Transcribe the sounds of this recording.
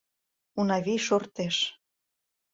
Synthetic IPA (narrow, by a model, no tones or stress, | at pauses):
unɑβiʃort̪eʃ